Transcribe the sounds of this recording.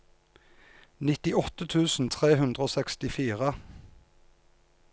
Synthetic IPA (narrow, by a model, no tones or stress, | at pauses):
nɪt̪ɪɔt̪ət̪ʰʉːsn̩t̪ʰʁeːhʉnd̪ʁəoːsɛkst̪ɪfiːʁə